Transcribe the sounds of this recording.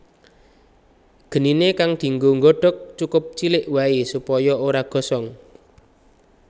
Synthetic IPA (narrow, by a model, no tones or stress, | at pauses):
ɡ̥ə̤ninekaŋd̪̥i̤ŋɡoŋɡɔɖ̥ɔ̤k̚t͡ʃukʊp̚t͡ʃilɪʔwaisupɔjɔoɾaɡ̥ɔ̤sɔŋ